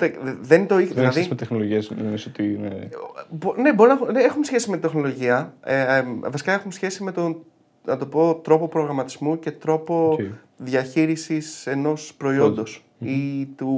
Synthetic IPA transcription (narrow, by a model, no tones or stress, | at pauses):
t̪eðent̪oiilɐðismet̪exnoloʝiɐsnnesot̪in̰ | bone̞bo̞ɾinɐɐxneexumesçe̞simet̪ind̪exnolo̞ʝiɐ | vɐsi̥kɐe̞xumesçe̞sime̞t̪o̞n | nɐt̪o̞po̞t̪ɾo̞po̞pɾo̞ɣɾɐmɐt̪izmuce̞t̪ɾo̞po̞ | ðʝɐçiɾisise̞no̞spɾo̞io̞nd̪o̞s | it̪u